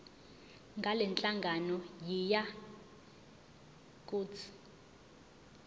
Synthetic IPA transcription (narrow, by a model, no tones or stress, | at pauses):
ŋɡʱalɛnt͡ɬʼaŋɡʱanɔjija | kʼut͡sʰi̥